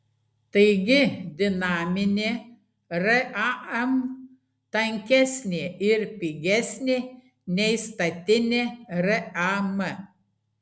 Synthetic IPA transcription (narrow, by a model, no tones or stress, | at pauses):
t̪ɐɪɡʲɪd̪ʲɪnɑːmʲɪnʲeː | ɾɐʔɑɐm | t̪ɐŋʲkʲɛsʲnʲeːɪɾpʲiːɡʲɛsʲnʲeː | nʲɛɪst̪ɐt̪ʲɪnʲeːɾɐɐmɐ